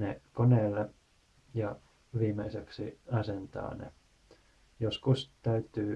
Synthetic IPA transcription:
nekoneːlːe | jɑ | ʋiːmeiseksiɑsent̪ɑ̰ːnḛ | joskust̪æyt̪yː

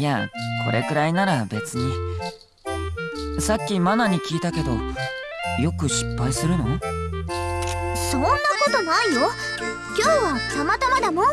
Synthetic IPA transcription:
ja̰kʰo̞̰ɾʔe̞̰kɯ̟ɾainaɾabe̞t͡sɨɲ̟i | sakʲːimanaɲ̟ikʲiːt̪ake̞d̪o̞̰ | jo̞kɯ̟ɕi̥pːaisɨɾɯ̟no̞̰ | sõ̞nːako̞t̪o̞naijo | kʲo̞ːβakamat̪amad̪amo

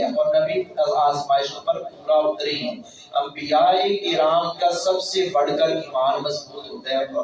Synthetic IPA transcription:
ɛ̃ɔːɾmɛ̃bʱiɐlaːzmaːɪʃõpɐɾpuːɾaʊt̪ɾeɦɛ̃ː | ɐ̰̃mbijaːekɪɾaːmkasɐbsebɐɽkəlɪmaːɾmɐsbuːt̪ɦoːt̪aɦɛ

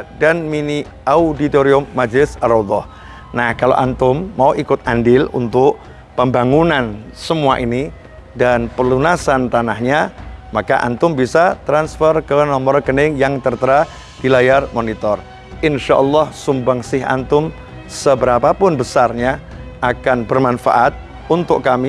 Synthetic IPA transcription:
danmini | audit̪oɾiʊmːad͡ʒlɪsaɾɔd̪ɔh | nahkalo̰ʔant̪ʊmːauʔikʊt̪̚ʔandɪlṵnt̪ʊʔ | pəmbaŋunansəmuaʔini | danpəlunasant̪anahɲamakaʔa̰nt̪ʊmbisat̪ɾansfərkənɔmɔrkənɪŋjaŋt̪ərt̪əɾa | d̥ilajarmonit̪ɔr | ʔɪnʃaʔɔlːɑhsumbaŋsɪɦa̰nt̪ʊm | səbəɾapapʊnbəsarɲaʔakanbərmanfa̰ʔat̪̚ | unt̪ʊʔkami

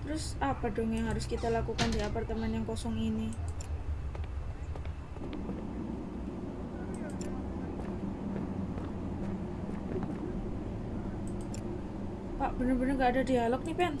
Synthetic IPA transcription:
t̪ɾʊsapadɔŋjaŋɦaɾʊskit̪alakukandiapart̪əmɛnjaŋkɔsɔŋini | paʔb̥ənərbənərŋɡaːdadialɔk̚nipɛn

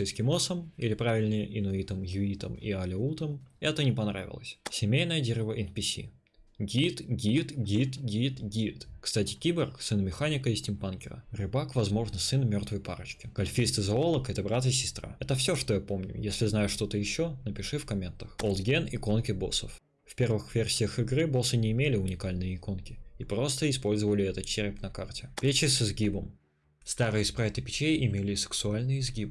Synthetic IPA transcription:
ɨjskʲɪmosəmilʲɪpɾavʲɪlʲnəjʔɪnʊit̪əmjʊit̪ə̰mḭɐlʲɪut̪əmɛt̪ənʲɪpɐnɾa̰vʲɪ̰lˠə̰sʲsʲɪmʲejnəjədʲeɾʲɪvəʔɪnpʲɪsʲḭ | ɡʲit̪ɡʲit̪ɡʲit̪ɡʲit̪ɡʲit̪kst̪atʲɪ̥kʲibʲərksɨnmʲɪxanʲɪkəɪsʲtʲɪmpankʲɪ̰ɾə̰rʲɨbakvɐzmo̞ʐnɨsɨnmʲo̞rt̪vəjpa̰ɾɨt͡ɕkʲɪɡ̥ɐlʲfʲist̪ɨzɐo̞lˠəkɛt̪əbɾat̪ɪsʲɪ̥st̪ɾa̰ɛt̪əfsʲo̞ʂt̪o̞japo̞mnʲʊ̰jesʲlʲɪznajʊʂt̪o̞t̪əjɪɕːo̞nəpʲɪʂɨfkɐmʲe̞nt̪əxolˠd̪ɡʲenɪko̞nkʲɪbo̞sə̰f | fpʲe̞rvɨxvʲe̞rsʲɪjəxɪɡrɨbo̞sɨnʲɪɪmʲelʲɪʊnʲɪkalʲnɨjəɪko̞nkʲɪipɾo̞st̪əɪspo̞lʲzəvəlʲɪɛt̪ət̪̚t͡ɕeɾʲɪpʲnɐkartʲɪpʲet͡ɕɪsɪzɡʲibəm | st̪aɾɨjəspɾaɪt̪ɨpʲɪ̥t͡ɕejʔɪmʲelʲɪsɨ̥ksʊalʲnɨjɪzɡʲibɨ

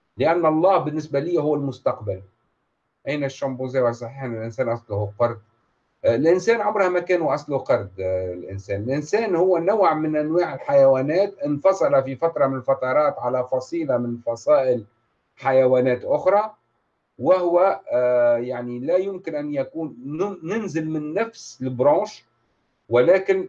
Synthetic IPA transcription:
lɪʔænːɑlˤːɑːhbɪnːɪsbælijːhʊwːælmʊst̪ɑqbal | ʔæjnæʃːɑmbuziːwasˤɑħiːħnɪlʔɪnsæːnʔɑsˤlʊhuqɑɾˤd̪̚ | lʔɪnsæːnʕabɾhæmækæːnuʔɑsˤluqɑɾˤd̪lʔɪ̰nsæːnɪlʔɪnsæːnhʊwːænawʕmɪnʔænwaːʕɪlħajæwæːnæːt̪ʔɪnfɑsˤɑlafifat̪ɾˤɑmɪnɪlfɑt̪ˤɑɾˤɑːt̪ʕalæfɑsˤiːlamɪnfɑsˤɑːʔɪl | ħajæwæːnɛːt̪ʔʊxɾˤɑ | wɪhʊwæ | jaʕnilæjʊmkɪnʔænːjækuːnːɪnzɪlmɪnːæfslɪbɾɑ̃ːʃ | wɪlæːkɪn

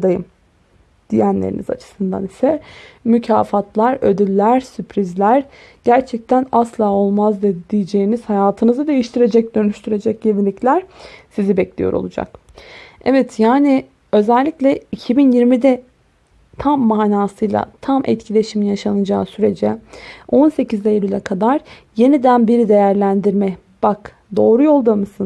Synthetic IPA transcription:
d̪ajɯm | d̪̥ijænlʲḛɾḭnḭza̰t͡ʃʰɯ̥sɯnd̪a̰nisɛmycʰaːfat̪lˠaɾød̪ylʲːæɾsypʰɾizlʲæɾ | ɟ̥æɾt͡ʃʰɛc̚t̪ʰænaslˠaːo̞lˠmazd̪ed̪ijid͡ʒe̞jiniz̥hajaːt̪ʰɯnɯzɯd̪e̞jiʃt̪ʰiɾe̞d͡ʒɛc̚d̪ø̞nyʃt̪ʰyɾe̞d͡ʒɛc̚ɟevinlʲːiclʲæɾ̥sizibɛclʲḭjo̞ɾo̞̰lˠud͡ʒa̰k̚ | ɛvɛt̪jaːni | ø̞zælʲːiclʲɛicʰibinjiɾmid̪ɛ | t̪ʰamːaːnaːsɯjlˠa̰t̪ʰamʔɛ̰t̪cʰilʲe̞ʃiminjaʃanɯd͡ʒa̰ːsyɾe̞d͡ʒɛo̞nse̞cizd̪ɛjelʲylʲɛkʰad̪aɾ | je̞nid̪ænbiɾid̪e̞jæɾlʲænd̪iɾmɛ | b̥ak | d̪o̞ːɾujo̞lˠd̪amɯsɯn

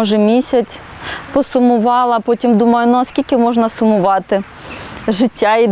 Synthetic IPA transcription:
ɔʒɛmʲisʲɐt͡sʲ | pɔsʊmʊʋɑlˠɐpɔtʲimd̪umɐjʊnʊɐskʲilʲkɪmɔʒnɐsʊmʊʋɑt̪ɪ | ʒɪtʲːai

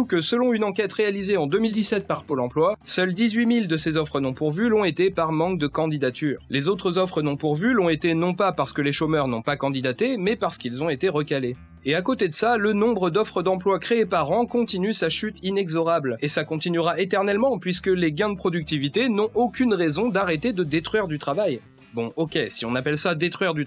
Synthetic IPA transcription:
ukəsəlɔ̃ynɑ̃kʲɛt̪ʁealizeɑ̃d̪ømild̪isɛt̪̚paʁpolɑ̃plwasœld̪izɥimild̪əsezɔfχənɔ̃puʁvylɔ̃et̪epaʁmɑ̃k̚d̪əkɑ̃d̪id̪at̪yːʁlezot̪χəzɔfχənɔ̃puʁvylɔ̃et̪enɔ̃papaʁsə̥kəleʃomœʁnɔ̃pakɑ̃d̪id̪at̪emɛpaʁsə̥kʲilzɔ̃et̪eʁəkale | eakot̪ed̪əsalənɔ̃bʁəd̪ɔfχəd̪ɑ̃plwakχeːpaʁɑ̃kɔ̃t̪inysaʃyt̪inɛɡzɔʁablesakɔ̃t̪inyʁaet̪ɛʁnɛlmɑ̃pɥiskəleɡʲɛ̃d̪əpχɔd̪yk̚t̪ivit̪enɔ̃ʔokʲynʁezɔ̃d̪aʁet̪ed̪əd̪et̪χɥiʁd̪yt̪χavaj | bɔ̃ʔokʲesiɔ̃napɛlsad̪et̪χɥiʁd̪y

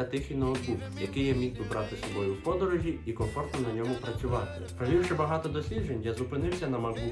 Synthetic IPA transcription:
ɐt̪ɪxinɔɦɔb̪uwjɐkɪjɛmʲiɣb̪ʊbɾɑt̪ɪsɔbɔjʊwpɔd̪ɔɾɔʒʲiikɔfɔrt̪nɔnɐnʲɔmʊpɾɐt͡sʲʊʋɑt̪ɪpɾɐʋʲiwʃɪbɐɦɑt̪ɔd̪ɔsʲlʲid͡ʒenʲjɐzʊpɪnɪwsʲɐnɐmɐu

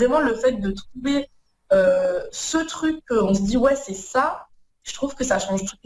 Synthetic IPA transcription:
ʁɛmɑ̃ləfɛt̪̚d̪ət̪χuve | øsət̪χykːəɔ̃səd̪iwɛsɛsa | ʒət̪χuvkəsaʃɑ̃ʒt̪u̥t̪̚

